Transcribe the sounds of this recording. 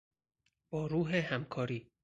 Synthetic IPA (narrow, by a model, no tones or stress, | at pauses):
b̥ɒːɾuːɦehæmkʰɒːɾiː